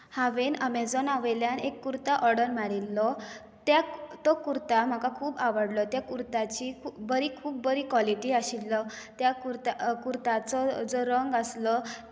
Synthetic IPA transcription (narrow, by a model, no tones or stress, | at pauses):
haʋenəmed͡zɔnaʋəjljanekːuɾt̪aʔɔɾɽəɾmaɽilːɔ | t̪jat̪ɔkuɾt̪am̤akakʰuːbaʋəɽlɔt̪jakuɾt̪at͡ɕikʰubəɾiːkʰuːb̚ːəɾiːkʋɔliʈiːaɕilːɔt̪jakuɾt̪akuɾt̪at͡sɔd͡zɔɾəŋɡəslɔ